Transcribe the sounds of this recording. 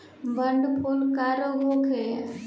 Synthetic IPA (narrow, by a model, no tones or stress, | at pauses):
bʱəɳɖpʰulkaːɾoɡʱokʰe